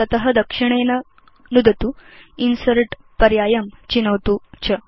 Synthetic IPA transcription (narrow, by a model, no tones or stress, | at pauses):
tɐt̪ɐɦɐd̪ɐkʂiɳ̃eːnɐ | nud̪ʱɐt̪uinsɐɾʈ | pɐɾjaːjɐmt͡ɕinɐwt̪ut͡ɕʰɐ